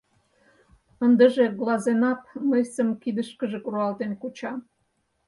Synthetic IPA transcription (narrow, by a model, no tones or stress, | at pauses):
ənd̪ə̆ʒeɣlɑzenɑp̚məjsəmkid̪əʃkəʒĕkuɾuɑlt̪enkut͡ɕɑ